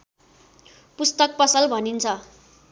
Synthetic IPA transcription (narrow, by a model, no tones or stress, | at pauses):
pust̪ʌk̚pʌsʌlbʱʌnint͡sʰʌ